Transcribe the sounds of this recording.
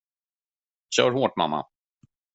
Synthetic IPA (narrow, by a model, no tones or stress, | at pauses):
ɕœːɾɦoːʈma̰mːa̰